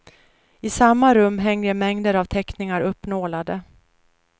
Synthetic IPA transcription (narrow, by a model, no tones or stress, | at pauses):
ɪsamːaɾɵmːɦɛŋːəmɛŋd̪əɾavt̪ʰɛknɪŋaɾɵpːnoːlad̪ə